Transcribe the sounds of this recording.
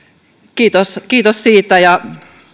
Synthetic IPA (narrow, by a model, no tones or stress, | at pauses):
kiːt̪oskiːt̪ossiːt̪ːˑæjɑ